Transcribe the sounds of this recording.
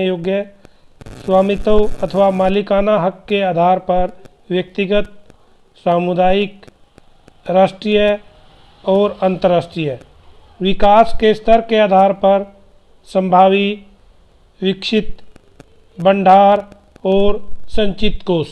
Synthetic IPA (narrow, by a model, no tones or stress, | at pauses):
joːɡjə | swaːmɪt̪əwɐt̪ʰəʋamaːlɪkaːnaɦəkːeaːd̪ʱaːɾpɐɾ | wjək̚t̪ɪɡət̪̚ | saːmʊd̪aːjɪk | ɾaːʃʈɾijə | ɔːɾə̃nt̪əɾaːsʈɾijə | ʋɪkaːskest̪əɾkeaːd̪ʱaːɾpɐɾ | sə̃mbʱaːʋi | ʋɪkʃɪt̪̚ | bə̃ɳɖʱaːɾ | ɔːɾsə̃ɲt͡ʃɪt̪koːs